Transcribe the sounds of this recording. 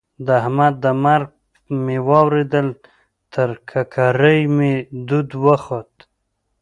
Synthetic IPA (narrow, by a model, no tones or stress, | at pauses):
d̪əahmad̪̚d̪əmaɾɡ̚ | mewɑwɾed̪əl | t̪ʰəɾkʰakʰaɾəjmed̪ud̪wəxot̪